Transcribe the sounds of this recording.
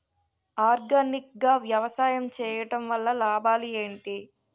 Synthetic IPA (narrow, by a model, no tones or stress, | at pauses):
aːɾɡanik̚ɡaːʋjɐʋɐsaːjɐmt͡ʃɛːjɐʈɐmʋɐlːɐlaːbaːlieːɳʈi